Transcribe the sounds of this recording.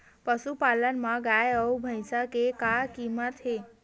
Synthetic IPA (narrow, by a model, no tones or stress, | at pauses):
pəʃupalənmãɡajəwbʱəjsakekakimət̪ɦe